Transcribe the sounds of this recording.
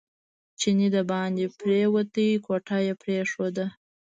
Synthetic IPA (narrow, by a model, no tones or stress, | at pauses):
t͡ʃinid̪abɑnd̪ipɾewət̪əjikoʈɑjepɾeʂod̪a